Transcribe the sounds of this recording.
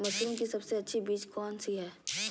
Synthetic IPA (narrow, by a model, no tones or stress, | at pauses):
mɐsɾõkisɐbseɐtːʃʰibiːt͡ʃkɔːnsiɦɛː